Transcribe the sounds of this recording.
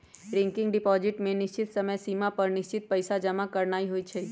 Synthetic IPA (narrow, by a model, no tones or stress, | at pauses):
ɾɛ̃ŋkɪŋɡɖɪpɔzɪʈmẽnɪʃt͡ʃɪt̪səməjsimapəɾnɪʃt͡ʃɪt̪̚pəjsad͡ʒəmãkəɾnaiɦoit͡ʃʰe